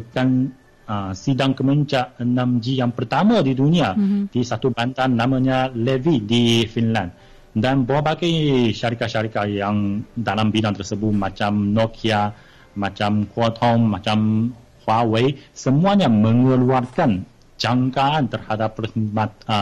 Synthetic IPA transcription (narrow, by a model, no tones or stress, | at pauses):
əkan | əsidaŋkəməɲt͡ʃaʔənãmd͡ʒijaŋpərt̪amãdiduniad̥isat̪uband̪anːãmãɲalɛvidifinlãn | danbaabaɡajʃaɾikatʃaɾikajaŋdalambidaŋt̪ərsəbʊt̪̚mãt͡ʃamnɔkʰia | mãt͡ʃamkwɔt̪̚hɔmːat͡ʃam | hwawejsəmuaɲamə̃ŋəluarkan | d͡ʒaŋkaant̪ərhadapːmat̪̚